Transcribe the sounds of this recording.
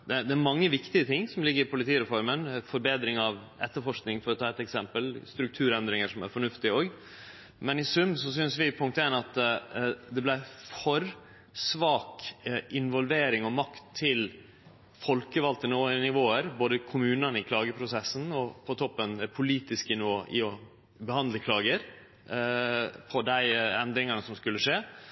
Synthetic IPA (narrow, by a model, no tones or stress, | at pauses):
d̪ɛd̪ɛæɾmɑŋːəʋɪkt̪ɪət̪ʰɪŋːsɔmlɪɡːəɾɪpʊlɪt̪iːɾɛfɔɾmənfɔɾbeːd̪ɾɪŋɑʋ | ɛ̰t̪ːəɾfɔʂknɪŋfɔɾɔt̪ʰɑːɛt̪ɛksɛmpəlst̪ɾʉk̚t̪ʰʉːɾɛnd̪ɾɪŋəʂɔmæ̰ɾfɔɳʉft̪ɪoːɡ | mɛnɪsʉmːsɔsʏnsʋɪpʰʊŋk̚t̪eːnɑt̪ | d̪ɛblæɪfɔɾ | sʋɑːkɪnʋɔlʋeːɾɪŋɔmɑkt̪ʰːɪl | fɔlkəʋɑlt̪ənoːɪnɪʋoːəɾboːd̪əkʰʊmʉːnɑnɪkʰlɑːɡəpʰɾʊsɛsːn̩ɔpʰɔt̪ʰɔpːənd̪ɛpʰʊliːt̪ɪskənɪoːʔɪɔ | bɛhɑnd̪ləkʰlɑːɡəɾ | pʰɔd̪æɪɛnd̪ɾɪŋɑnəsɔmskʉlːəʂeː